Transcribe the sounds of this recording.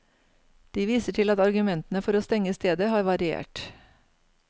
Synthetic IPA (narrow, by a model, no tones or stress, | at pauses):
d̪̥iːʋiːsəʈʰɪlɑt̪ɑɾɡʉmɛnt̪ən̩əfɔɾoːst̪ɛŋəst̪eːd̪əhɑːɾʋɑɾɪḛːʈ